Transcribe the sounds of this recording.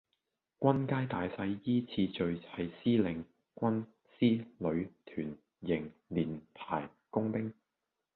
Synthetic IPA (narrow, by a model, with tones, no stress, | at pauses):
kʷɐ˥nkaː˥jt̪aː˨jsɐ˧˥jːiː˥t͡sʰiː˧t͡ʃɵ˨˧ɥhɐ˨jsiː˥lɪ˨˩ŋ | kʷɐ˥n | siː˥lɵ˨˧˥ɥt̪ʰyː˨˩n | jɪ˨˩ŋliː˨˩npʰaː˨˩j | kʊ˥ŋpɪ˥ŋ